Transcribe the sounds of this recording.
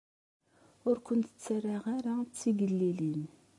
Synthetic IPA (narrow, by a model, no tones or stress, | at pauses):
ʊɾkʷʊnt̪t͡sːæraʁaɾat͡sːiɡəlːilin